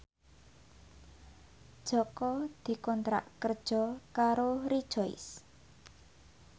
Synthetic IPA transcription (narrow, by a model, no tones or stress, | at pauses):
d̥ʒ̥ɔ̤kɔd̪̥i̤kɔnt̪ɾa̰ʔkərd̥ʒ̥ɔ̤kaɾoɾid̥ʒ̥ɔɪ̰s